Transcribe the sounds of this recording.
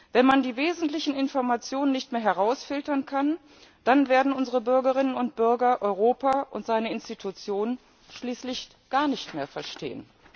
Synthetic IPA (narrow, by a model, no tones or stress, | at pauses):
vɛnmandiːveːzn̩tlɪçn̩ɪnfɔɐmat͡sjoːnənːɪçtmeːɐɦɛʁ̞aʊsfɪltɐnkʰan | d̥anveːɐdn̩ʊnzəʁəbʏɐɡəʁ̞ɪnənʊntb̥ʏɐɡɐʔɔʏʁ̞oːpaʔʊntz̥aɪnəɪnstitʰut͡sjoːnən | ʃliːslɪç | ɡ̥aːɐnɪçtmeːɐfɛɐʃtḛːə̰n